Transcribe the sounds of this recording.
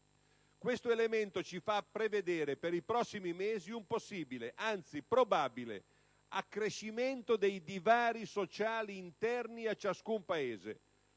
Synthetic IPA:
kwest̪oelement̪ot͡ʃifapːɾeved̪eːɾepeɾipɾɔsːimimeːziumposːiːbileʔant̪sipɾobaːbilḛ | akːɾeʃːiment̪od̪ejd̪ivaːɾisot͡ʃaːliːnt̪ɛrniat͡ʃːaskumpaeːzḛ

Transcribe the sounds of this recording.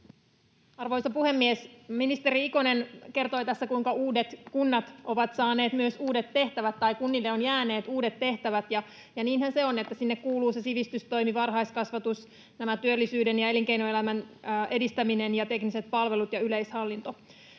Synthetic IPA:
ɑrʋo̞jsɑpuhe̞mːiesminist̪e̞ɾiikone̞nke̞rt̪o̞jt̪æsːækuiŋkɑuːde̞t̪kunːɑt̪ʔo̞ʋɑt̪sɑːne̞ːt̪myøsuːdet̪ːe̞ht̪æʋæt̪ːɑjkunːilːeonjæːne̞ːt̪uːdet̪ːe̞ht̪æʋæt̪jɑ | jɑniːnhænse̞o̞net̪ːæsinːekkuːluːsesiʋist̪yst̪o̞jmiʋɑrɦɑjskɑsʋɑt̪us | næmæt̪yølːisyːdenjɑe̞liŋke̞jnoelæmænʔe̞dist̪æmine̞njɑt̪e̞knise̞t̪̚pɑlʋe̞lut̪jɑylejshɑlːint̪o̞

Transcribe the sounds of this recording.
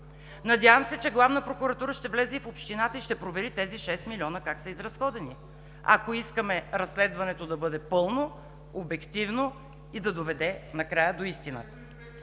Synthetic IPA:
nɐd̪ʲjavɐmsɛt͡ʃɛɡlˠavnəpɾokuɾɐt̪uɾəʃt̪ɛvlɛzɛifopʃt̪inat̪əiʃt̪ɛpɾovɛɾit̪ɛziʃɛst̪milʲiɔnəkaksɐizɾɐsxɔd̪ɛni | ɐ̰koiskəmɛɾɐsːlɛd̪vɐnɛt̪od̪ɐbɤd̪ɛpɤlˠno | obɛkt̪ivno | id̪ɐd̪ovɛd̪ɛnɐkɾajəd̪oist̪inə̰t̪ə̥

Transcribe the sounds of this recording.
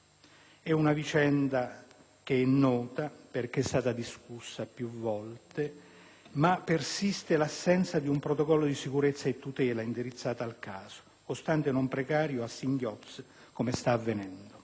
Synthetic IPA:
ɛunavit͡ʃɛnd̪a | k̟eɛnːɔːt̪aperk̟est̪aːt̪ad̪iskusːapjuvːɔlt̪e | mapːersist̪elasːɛnt̪sad̪iumpɾot̪okɔlːod̪isikuɾet̪sːaet̪ːut̪ɛːlaind̪iɾit̪sːaːt̪aːlkaːz̥o̥ | kost̪ant̪enompɾekaːɾjoasːiŋɡjɔt̪s | komest̪aːvːenɛnd̪o

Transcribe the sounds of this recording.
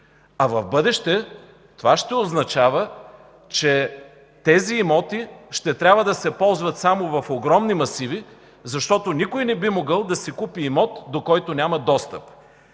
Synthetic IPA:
ɐvɐvbɤd̪ɛʃt̪ɛ | t̪ovaʃt̪ɛoznɐt͡ʃavə | t͡ʃɛ | t̪ɛziːmɔt̪iʃt̪ɛt̪ɾʲabvəd̪ɐsɛpɔlˠzvɐt̪samovɐfoɡɾɔmnimɐsivi | zɐʃt̪ɔt̪onʲikojnɛbimoɡəlˠd̪ɐsɛkupiːmɔt̪d̪okɔjt̪onʲamɐd̪ɔst̪əp

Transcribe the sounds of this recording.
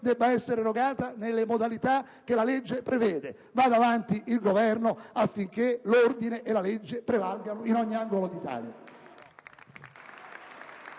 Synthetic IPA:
d̪ɛbːaɛsːeɾeɾoɡaːt̪anelːemod̪alit̪a | k̟ːelaled͡ʒːepɾevɛːd̪e | vaːd̪avant̪iʔilɡovɛrnoafːiŋk̟elord̪ineʔelːaled͡ʒːepɾevalɡanoinɔɲːiaŋɡolod̪it̪a̰ːlja̰

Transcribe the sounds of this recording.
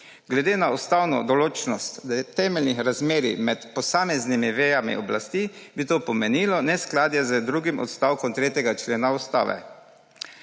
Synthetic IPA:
ɡlɛd̪eːnaɔst̪awnɔ̰d̪ɔloːt͡ʃnɔst̪t̪ɛmɛlnixɾazmeːɾimɛt̪pɔsaːmɛznimiʋɛjamḭɔblast̪ibit̪oːpɔmɛniːlɔnɛsklaːd̪jɛzəd̪ɾuɡimɔ̰t̪st̪aːwkɔmt̪ɾeːt̪jɛɡat͡ʃleːnaɔst̪a̰ːʋɛ̰

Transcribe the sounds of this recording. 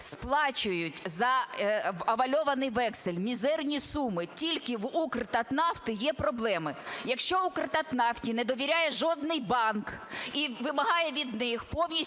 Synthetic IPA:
splˠɑt͡ʃʊjʊtʲzɐ | ɐʋɐlʲɔʋɐnɪjʋɛksɪlʲmʲizɛrnʲisumɪtʲilʲkɪʋukrt̪ɐt̪nɑft̪ɪjɛpɾɔblˠɛmɪjɐkʃt͡ʃɔukrt̪ɐt̪nɑftʲinɛd̪ɔʋʲiɾʲajɛʒɔd̪nɪjbɑnkiʋɪmɐɦɑjɛʋʲid̪nɪxpɔwnʲi

